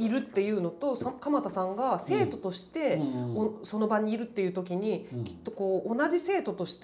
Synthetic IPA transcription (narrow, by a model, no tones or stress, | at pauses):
iɾɯ̟t̪ːe̞jɯ̟ːno̞t̪o̞sakamat̪asãŋɡase̞ːt̪o̞t̪o̞ɕi̥t̪e̞oso̞no̞baɲ̟ːiːɾɯ̟t̪ːe̞jɯ̟ːt̪o̞kʲiɲ̟ikʲi̥t̪ːo̞ko̞ːnad͡ʑise̞ːt̪o̞t̪o̞ɕi̥t̪